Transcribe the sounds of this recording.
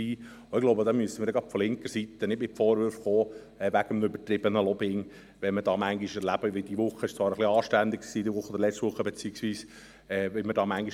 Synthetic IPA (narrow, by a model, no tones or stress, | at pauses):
iː | oɪɡloʊbəd̥̪ɑːmyəsəmɪːɾdɛɡɾɑtfɔlɪŋkəsit̪ənɪtmɪtfɔːɾʋʏɾfχoː | ɛʋæɡ̥əmnøbət̪ɾɪb̥ənəlɔbɪŋ | ʋɛnmədɑːmæŋɡɪʃɛɾlæb̥əʋɪld̥̪iʋʊχːəɪʃt͡svɑːɾəχliɑːʃtænd̪ɪkksiːdiʋʊχːəod̪ɾlɛt͡stʋʊχːəbet͡siːəksʋiːs | ɛːʋɪmədɑːmæŋɡɪʃ